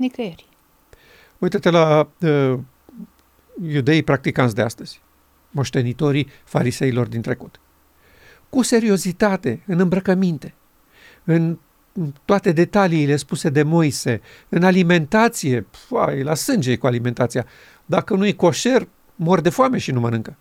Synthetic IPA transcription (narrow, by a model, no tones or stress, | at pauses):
nikəeɾʲ | ujt̪at̪ela | jud̪e̞ipɾak̚t̪ikansʲd̪ea̰st̪əz̥ʲ | mo̞ʃt̪e̞nit̪o̞ɾi | faɾise̞ilo̞rd̪int̪ɾe̞kut̪ | kuse̞ɾio̞zit̪at̪e̞ɨnɨmbɾəkəmint̪e̞ | ɨn | t̪oat̪e̞d̪e̞t̪aliːle̞spuse̞d̪e̞mo̞jse̞ | ɨnalime̞nt̪at̪sije̞a̰elasɨnd͡ʒekualime̞nt̪at̪sija | d̪akənujko̞ʃe̞r | mo̞rd̪e̞foame̞ʃinumənɨŋkə